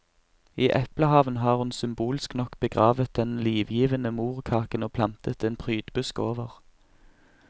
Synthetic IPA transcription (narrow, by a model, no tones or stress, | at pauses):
iːʔɛpləhɑːʋənɦɑːʁhʉnsʏmbuːlɪsknɔkb̥əɡʁɑːʋət̪̚d̪ɛnliːʋjiːʋənəmuːʁkʰɑːkənoːpʰlɑnt̪ʰət̪eːnpʰʁyːd̪̥bʉskoːʋəʁ